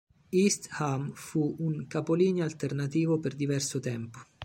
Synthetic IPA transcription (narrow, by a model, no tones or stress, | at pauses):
ist̪hamfuuŋkapoliːnjoalt̪ernat̪iːvoperd̪ivɛrsʊt̪ɛmpo̥